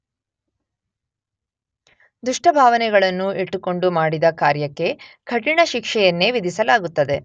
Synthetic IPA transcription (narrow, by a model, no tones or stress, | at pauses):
d̪uʂʈɐbʱaːʋɐnɛɡɐɭɐnːuʔiʈːuko̞ɳɖumaːɽid̪ɐkaːɾjɐkːe̞kʰɐʈiɳɐʃikʂɛjɐnːe̞ʋid̪ʱisɐlaːɡut̪ːɐd̪e̞